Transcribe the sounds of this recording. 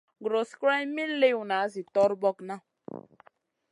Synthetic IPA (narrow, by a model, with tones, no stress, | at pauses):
ɡɾo˨skɾa˦m˦mi˦n̩˦le˦wu˨na˨a˦zi˨tɔ˦ɾbɔ˦kna˦